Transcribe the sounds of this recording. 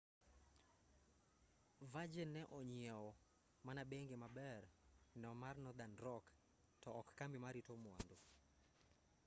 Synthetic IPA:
vad͡ʒenːɛʔɔɲɪɛɔ | manabeŋɡemabɛrnɛɔmarnɔd̪anɾɔk | tɔːkːamimaɾitɔmwa̰ndo

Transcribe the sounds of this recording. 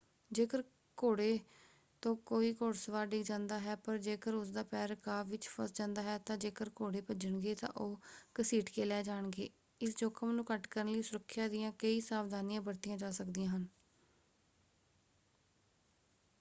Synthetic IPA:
d͡ʒeːkəɾ | koːɽeː | t̪õːkoːiːkoːɽsəʋaːɾɖɪkd͡ʒãːnd̪aːɦɛːpəɾd͡ʒeːkəɾʊsd̪aːpɛːɾkaːʋɪt͡ʃpʰə̰sd͡ʒãːnd̪aːɦɛːt̪ãːd͡ʒeːkəɾkoːɽeːpəd͡ʒəɳɡeːt̪ã̰ːʔoːkəsiːʈkeːlɛːd͡ʒaːɳɡeː | ɪsd͡ʒoːkʰəmnũːkəʈkəɾənləiːsʊɾəkʰːjaːd̪ɪjãːkəiːsaːʋd̪aːnɪjãːbəɾt̪ɪjãːd͡ʒaːsəkd̪ɪjãːɦən

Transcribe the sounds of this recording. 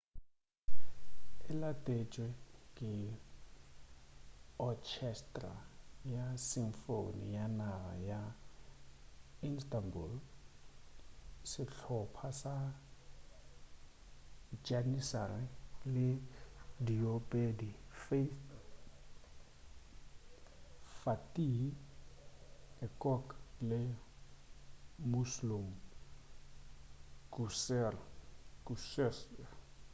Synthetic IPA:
ɪlatʼet͡ʃʼwɛkʼɪ | ɔkʰɛstʼra̰jasiŋfo̰nḭjanaɣa̰ja | instʼambul | sɪɬʰɔpʰasa | d͡ʒanisarɪlɪdiopʼedifeθ | fatʼi | ɛkʼɔklɪ | muslum | kusɛrkusɛs

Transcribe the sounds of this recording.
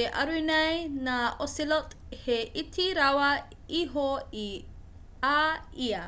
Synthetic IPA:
eʔɐ̰ɾuinɐjnaʔosilot | heʔitʰiɾawɐ | iɦoi | aiə

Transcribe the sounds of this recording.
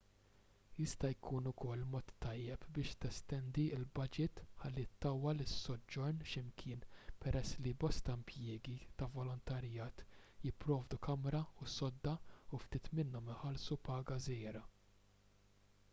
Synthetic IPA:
jɪst̪ɐjkʰuːnʊkɔlːmɔːt̪ːɐjːɛpbɪːʃt̪ɛst̪ɛnd̪iɪlbɐd͡ʒɪt̪ħɐlːit̪ːɐwːɐlɪsːɔd͡ʒːɔɾnʃɪmkʰɪːnpɛɾʔɛsːlibɔst̪ɐɪmpjɪːɡit̪ɐvɔlɔnt̪ɐɾjɐːt̪jɪpːɾɔːvd̪ukɐmɾɐusɔd̪ːɐuft̪iːt̪mɪnːɔmɪħɐlsupɐːɡɐzɛːɾɐ

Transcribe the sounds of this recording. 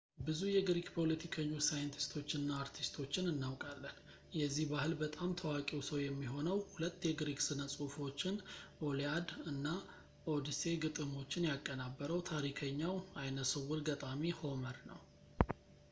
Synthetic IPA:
bɨzujɛɡɾiɡpʰo̞lət̪ʰikʰəɲːosajɨnt̪ʰi̥st̪ʰo̞t͡ʃːɪnːaːɾt̪ʰist̪ʰo̞t͡ʃːɪnɨnːawkʼalːən | jɛzːihbahɨlbət̪ʼamt̪ʰəwakʼiwsəwjɛmːiɦo̞nəwhulət̪ːjɛɡɾiɡsɨnəsʼufo̞t͡ʃːɪnʔo̞ljad̪ɨnːa | o̞d̪ise̞ɡɨt̪ʼɨmo̞t͡ʃːɪnjakʼːənabːəɾəwt̪ʰaɾikʰəɲːawajnəsɨwʊɾɡət̪ʼamiho̞məɾnə̰w

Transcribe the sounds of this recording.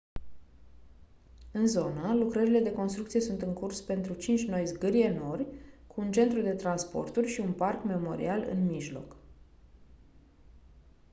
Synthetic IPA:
ɨnzo̞nəlukɾəɾile̞d̪e̞ko̞nst̪ɾukt̪sie̞sunt̪ɨŋkurspe̞nt̪ɾut͡ʃint͡ʃʲno̞jzɡɨɾieno̞rʲkʰuːnt͡ʃe̞nt̪ɾud̪e̞t̪ɾanspo̞̰rt̪urʲʃiunparkme̞mo̞ɾḭalɨ̰nmiʒlo̞̰k

